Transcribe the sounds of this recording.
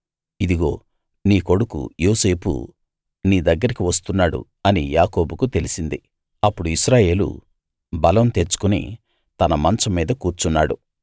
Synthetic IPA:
id̪iɡo̞ː | niːko̞ɽukṵjoːse̞ːpṵ | niːd̪ɐɡːɐɾikiʋɐs̬t̪unːaːɽṵ | ɐnijaːko̞ːbukut̪e̞lisind̪i | ɐpːuɽuiʃɾaːje̞ːlṵ | bɐlɐmt̪e̞ɾt͡ʃːu̥kunḭ | t̪ɐnɐmɐnt͡ʃɐmːiːd̪ɐkuːɾt͡ʃunːaːɽu

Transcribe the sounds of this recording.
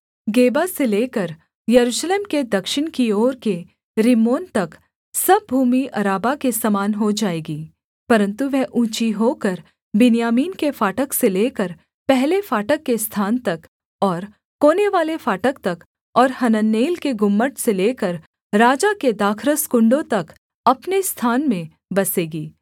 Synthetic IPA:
ɡeːbaseleːkəɾ | jɐɾuːʃleːmked̪ɐkʃɪɽ̃kioːɾke | ɾɪmoːnt̪ɐk | sɐb̚ʱuːmiʔɐɾaːbakesɐmaːnɦod͡ʒaːeːɡiː | pɐɾə̃nt̪uʋɛɦʔũːt͡ʃiɦoːkəɾ | bɪnijaːmiːnkefaːʈəkseleːkəɾ | pɛɦlefaːʈəkːest̪ʰaːnt̪ɐk | ɔːɾ | koːneʋaːlefaːʈəkt̪ɐk | ɔːɾhɐnənːeːlkeɡʊmːəʈseleːkəɾ | ɾaːd͡ʒaked̪aːkʰɾəskʊ̃ɳɖõt̪ɐk | ɐpnest̪ʰaːnmẽ | bɐseːɡiː

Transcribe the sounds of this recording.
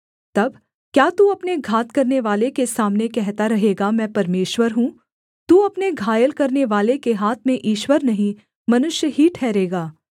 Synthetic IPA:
t̪ɐb | kjaːt̪uɐpneɡʱaːt̪kɐɾneʋaːlekesaːmnekɛɦt̪aɾɐɦeːɡamɛ̃ːpɐɾmeːʃʋəɾɦũː | t̪uːɐpneɡʱaːjəlkɐɾneʋaːlekeɦaːt̪ʰmẽʔiːʃwəɾnɐɦĩ | mɐnʊʃjəɦiʈʰɛːɾeːɡaː

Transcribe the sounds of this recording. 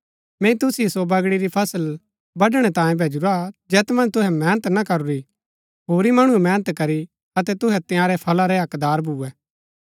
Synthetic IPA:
mɛ̃ĩt̪ʊsisobɐɡɽiɾipʰɐsəl | bɐɖɽ̃ɛt̪ãːjẽbʱeːd͡ʒuɾad͡ʒɛːt̪mɐ̃nt̪ʊɦɛmɛːnət̪nakɐɾuɾi | ɦoːɾimɐɽ̃uɛmɛːnət̪kɐɾi | ɐt̪ɛt̪ʊɦɛt̪ɪjãːɾɛpʰɐlaɾɛɐkd̪aːɾbʱuːɛː

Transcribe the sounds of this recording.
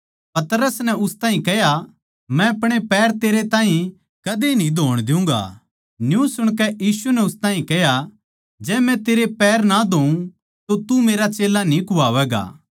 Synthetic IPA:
pɐt̪ɾəsnɛʊst̪aːĩkɛja | mɛ̃ɐpɽ̃epɛːɾt̪eːɾet̪ãːɦĩ | kɐd̪enĩd̪ʱoːɽ̃d̪ɪũŋ̆ɡa̰ | njũsʊɽ̃k̬ɛjiːsunɛʊst̪aːĩkɛɦja | d͡ʒɛːmɛ̃t̪eːɾepɛːɾnad̪ʱoːũ | t̪ot̪umeːɾat͡ʃeːlanĩkʊaːʋɛːɡa̰ː

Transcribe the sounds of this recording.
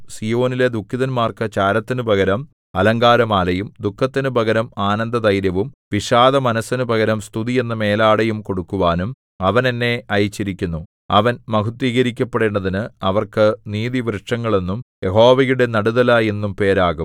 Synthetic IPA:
sijo̞ːniled̪ukʰːiðɐnmaːrkɐt͡ɕaːɾɐt̪ːinɨbʱɐɣɐɾɐm | ɐlɐŋɡaːɾɐmaːlɐjumd̪ukʰːɐt̪ːinɨbʱɐɣɐɾɐmaːnɐnd̪ɐd̪ɐjɾjɐʋumʋiʂaːðɐmɐnɐsːɐnubʱɐɣɐɾɐmst̪ʰuðije̞nːɐme̞ːlaːɽɐjumko̞ɽukːuʋaːnum | ɐʋɐne̞nːe̞ɐjit͡ɕːiɾikʲːunːu | ɐʋɐnmɐɦut̪ːiːɣɐɾikʲːɐpːeɽeːɳɖɐðinɨɐʋɐrkɨniːðiʋrɨʂɐŋːɐɭe̞nːumje̞ɦo̞ːʋɐjuɽe̞nɐɽuðɐlaje̞nːumpe̞ːɾaːɣum

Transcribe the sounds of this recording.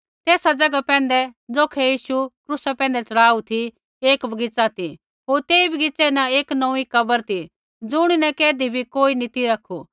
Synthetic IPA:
t̪eːsad͡zɐɡapɛ̃ːn̆d̪ɛd͡zoːkʰɛjiːsukɾusɛpɛ̃ːnd̪ɛt͡sɐɽaːut̪ʰi | eːkbɐɡɪt͡sat̪i | ɦoːɾt̪eːibʱɐɡɪt͡sɛnɐ̃eːknɐ̃ikɐbəɾt̪ʰi | d͡zʊɽ̃inɛkɛːd̪ibʱikoːinit̪iɾɐkʰu

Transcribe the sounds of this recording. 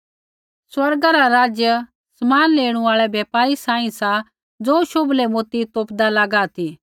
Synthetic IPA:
swɐɾɡaɾaɾaːd͡ʒjə | sɐmaːnleːɽ̃ũaːɭɛbjeːpaːɾisãːĩsa | d͡zoːʃoblɛmoːt̪it̪oːpd̪alaɡat̪ʰiː

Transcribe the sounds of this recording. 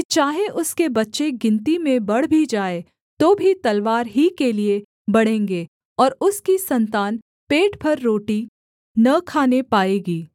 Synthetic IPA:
t͡ʃaːɦeʔʊskebɐtːʃeɡɪ̃nt̪imẽbɐɽ̤bʱid͡ʒaːe | t̪oːbʱit̪ɐlʋaːɾɦikelie | bɐɽ̤ẽːŋɡeː | ɔːɾʊskisɐ̃nt̪aːn | peːʈpʰɐɾːoːʈi | nɐkʰaːnepaːeːɡiː

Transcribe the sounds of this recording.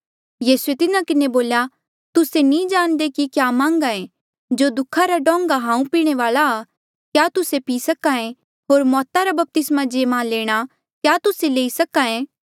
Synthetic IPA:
jiːsuet̪ɪnakɪneboːlja | t̪ʊsenĩd͡ʒaːnd̪ekikjaːmãːŋɡaẽ | d͡ʒoːd̪ʊkʰaɾaɖɔ̃ːŋɡaɦãːũpiːɽ̃eʋaːlaː | kjaːt̪ʊsepiːsɐkaẽ | ɦoːɾmɔːt̪aɾabɐp̚t̪ɪsmad͡ʒeːmãleːɽ̃a | kjaːt̪ʊseleːisɐkãẽː

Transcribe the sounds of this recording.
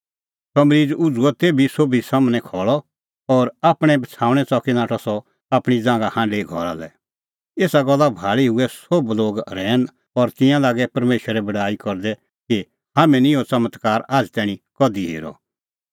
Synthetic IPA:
sɐmɾiːd͡zʊd͡zuɔt̪eːbʱisobisamnɛ̃kʰɔːɭɔ | ɔɾaːpɽ̃ɛ̃bɐt͡sʰaːʊ̃ɽ̃ɛt͡sɔkinaːʈʰɔsɔ | apɽ̃id͡zãːŋɡahãːɖeɡʱɔ̰ɾa̰lɛ̰ | eːsaɡɔlːabʱaːɭiɦʊɛsobloːɡɾɛːn | ɔɾt̪ɪ̃jãlaːɡɛpɐɾmeːʃɾɛbɐɽaːikɔɾd̪ɛ | ki | ɦamɛ̃nĩjot͡sɐmət̪kaːɾaːd͡zt̪ɛːɽ̃ĩkɔd̪iɦḛːɾɔ̰

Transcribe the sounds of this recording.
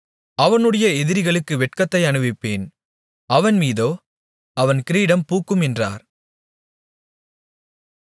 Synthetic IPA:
ɐʋɐnɯɽɐjɐɛðɪɾɪɣɐɭɯkːɯʋɛʈkɐt̪ːɐɪɐɳɯʋɪpːeːn | ɐʋɐnmiːðoː | ɐʋɐnkɪɾiːɽɐmpuːkːɯmɛndra̰ːɾ

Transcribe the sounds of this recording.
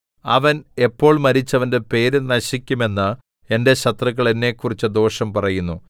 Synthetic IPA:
ɐʋɐne̞pːo̞ːɭmɐɾit͡ɕːɐʋɐnde̞pe̞ːɾenɐɕikʲːume̞nːɨ | e̞nde̞ɕɐt̪rɐɣːɐɭe̞nːe̞ːkːurit͡ɕːɨd̪o̞ːʂɐmpɐrɐjunːu

